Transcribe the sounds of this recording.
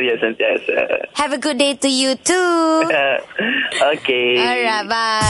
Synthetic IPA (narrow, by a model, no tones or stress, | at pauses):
jɛsɛ̃nsjɛsa̰hɛvəɡʊd̚detujutu | okeɔɹat̚ba